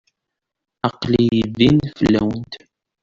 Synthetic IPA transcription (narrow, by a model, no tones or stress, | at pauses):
ɑqlijəvinfəlːæ̰wənt̪